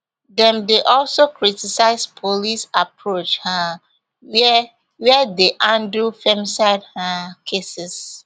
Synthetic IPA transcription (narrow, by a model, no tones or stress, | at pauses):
dɛ̃mdeʔɔlsokʰɹitisaɪspʰolisapʰɹot͡ʃhã | wɛdeʔãndufɛ̃msaɪdhãkʰesɪs